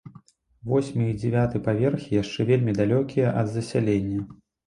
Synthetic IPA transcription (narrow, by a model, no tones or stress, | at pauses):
vɔsʲmʲiid͡zʲɛvʲat̪ɨjpavʲɛrxʲijaʂt͡ʂɛvʲelʲmʲid̪alʲɔkʲijɐʔɐd̪zɐsʲalʲenʲːɐ